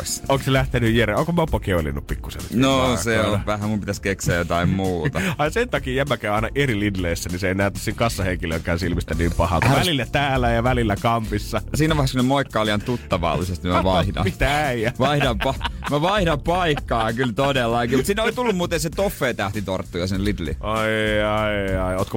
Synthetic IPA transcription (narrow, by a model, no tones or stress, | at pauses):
soŋkselæht̪enyjjeɾeoŋkomopːɑkeolḭnːuppikːusḛlːnoseonʋæhæmumpit̪æskekseæjot̪ɑimmuːt̪ɑɑinsent̪ɑkiːjæmːækæˑyɑinɑʔerilidleisːæniseˑinæˑyt̪ːæsiŋkɑsːɑheŋkiløŋkæːnsilmist̪æniːmpɑhɑ̰k̪uʋælilːæt̪æːlːæjɑʋælilːækɑmpisːɑsiːnæʋɑheskunemoikkːɑoliɑnt̪ut̪ːɑʋɑ̰lːisest̪imæʋɑihdɑ̰mit̪æjæʋɑihdɑmpɑmæʋɑihdɑmpɑikːɑːkylt̪odelːɑkiːmut̪siːnoit̪ulːumuːt̪enset̪ofːeːt̪æht̪it̪ort̪ːujɑsinelidlḭɑiɑiɑioːt̪ko